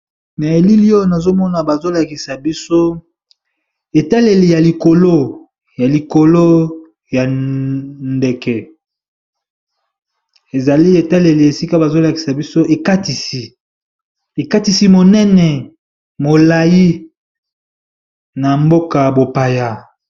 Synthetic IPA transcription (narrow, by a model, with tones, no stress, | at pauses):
na˨e˨li˦li˦o˦˨na˨zo˦mɔ˦na˨ba˨zo˦la˨ki˨sa˨bi˦so˦ | e˨ta˦le˨li˨ja˨li˨ko˨lo˦ | ja˨li˨ko˨lo˦ | ja˨ | nde˨kɛ˨ | e˨za˨li˦e˨ta˦le˨li˨e˨si˦ka˦ba˨zo˦la˨ki̥˨sa˨bi˦so˦ʔe˨ka˦ti˨si˨ | e˨ka˦ti˨si˦mo˨nɛ˦nɛ˨ | mo˨la˨ji˦ | na˨mbo˦ka˨bo˨pa˨ja˨